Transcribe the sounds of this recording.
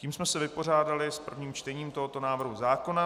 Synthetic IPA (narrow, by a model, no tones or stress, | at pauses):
ciːmsmɛsɛvɪpo̞r̝aːdalɪspr̩vɲiːmt͡ʃt̪ɛɲiːmt̪oɦo̞t̪o̞naːvr̩ɦuzaːko̞na